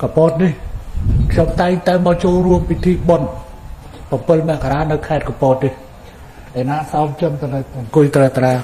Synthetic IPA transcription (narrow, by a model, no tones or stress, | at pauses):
kɑpɔːt̪̚nihkʰɲomt̪aɛŋt̪aɛmɑt͡ɕoːlruəmpit̪ʰiːɓon | pɑmpɨlmɛ̆əʔkaɾaːnɨwkʰaɛt̪̚kɔmpɔːt̪̚nih | ʔanaːsaɔmt͡ɕəmt̪ɨnɨwŋkʊjt̪rəːt̪raː